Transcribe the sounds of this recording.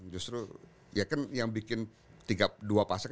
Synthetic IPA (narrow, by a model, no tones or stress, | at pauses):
d͡ʒust̪ɾu | jakanjaŋbikɪn | t̪iɡaduapasak